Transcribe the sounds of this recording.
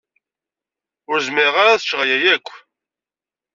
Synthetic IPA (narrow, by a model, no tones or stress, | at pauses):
ʊɾzmɪʁaɾaθə̥ʃʁjæjækʷː